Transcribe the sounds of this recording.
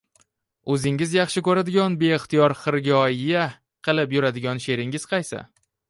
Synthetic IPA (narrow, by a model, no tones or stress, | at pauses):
ɵzɪŋɪzjɑχʃɪkɵɾad̪ɪɡʲɒnbe̞ɪχt̪ʰijɒɾχɨɾɡʲɒjja | qʰɨlˠɪpjʊɾad̪ɪɡʲɒnʃe̞ɾɪŋɪz̥qʰɑjsa̰